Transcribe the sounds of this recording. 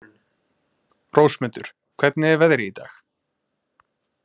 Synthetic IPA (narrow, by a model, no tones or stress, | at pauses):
rowsmʏnt̪ʏ̰ɾ̥ | kʰv̥ɛt̪nɪɛɾvɛðɾɪit̪a̰ːx